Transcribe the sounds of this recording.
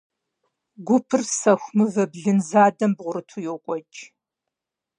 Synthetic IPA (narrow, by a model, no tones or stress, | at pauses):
ɡʷʊpʰɨrsɐxʷmɨvɐbɮɨnzaːdɐmbʁʷʊɾɨtʰujokʷʼɔt͡ʃʼ